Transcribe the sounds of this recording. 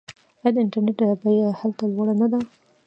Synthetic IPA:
jajad̪əɪnʈaɾneʈdəbajahalt̪alwaɽanad̪a

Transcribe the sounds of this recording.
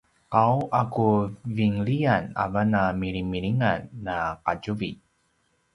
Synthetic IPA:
qawakuviŋliana̰vanamiɾimiɾiŋanːaqaɟuvi

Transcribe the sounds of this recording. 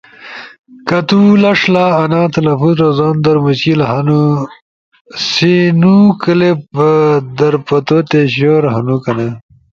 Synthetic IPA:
kɐt̪ulɐʂlaːɐnat̪ʰɐlɐfut̪ɾozɑːnd̪ɐɾmut͡ɕkilɦɐnu | sinukəlep̚d̪ɐɾpɐt̪ot̪eɕoɾɦɐnukɐnɐ

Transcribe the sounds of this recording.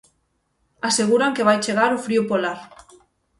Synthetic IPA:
aseɣ̞uɾaŋkeβ̞ajt͡ʃeɣ̞aɾofɾiupolaɾ

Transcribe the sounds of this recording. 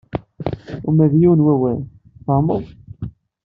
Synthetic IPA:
umæðjiwnwæwæn | θɑməðˤ

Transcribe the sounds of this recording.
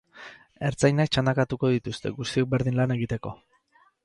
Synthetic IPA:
e̞ɾt͡sajnak̚t͡ʃand̪akat̪uko̞ðit̪ust̪e̞̰ɣust̪io̞k̚be̞ɾð̞inlane̞ɣit̪e̞ko̞

